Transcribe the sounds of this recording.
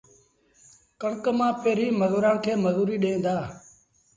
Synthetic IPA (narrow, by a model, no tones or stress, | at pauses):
kəɳkmãːpeːɾiːməzuːɾãːnkʰeːməzuːɾiːɗẽːnd̪aː